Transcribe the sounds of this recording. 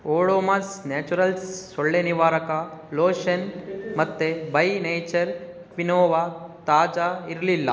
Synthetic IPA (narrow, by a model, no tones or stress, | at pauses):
oːɽoːmasneːt͡ʃuɾɐlsːoɭːeniʋaːɾɐkɐloːʃɐnmɐt̪ːebɐjnejt͡ʃɐɾ | kʋinoːʋat̪aːd͡ʒaiɾlilːɐ